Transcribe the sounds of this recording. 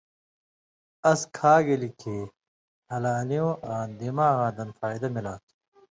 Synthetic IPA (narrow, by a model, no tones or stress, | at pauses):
ɐskʰaːɡelikʰeː | hɐlaːlijõːʔaːnd̪imaːɣãːd̪ɐnfaːjd̪ɐmilaːt̪ʰ